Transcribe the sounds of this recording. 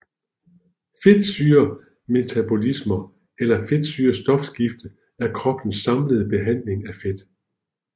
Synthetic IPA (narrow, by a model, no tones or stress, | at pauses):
fe̝d̥syːɐ | me̝t͡sʰæb̥o̝lismɐ | elɐfe̝d̥syːɐsd̥ɒ̽fsɡ̥ifd̥ə | æɐkʰʁɒ̽b̥n̩sɑ̈mləð̞̩ˠb̥e̝ɦæn̰le̝ŋæfed̥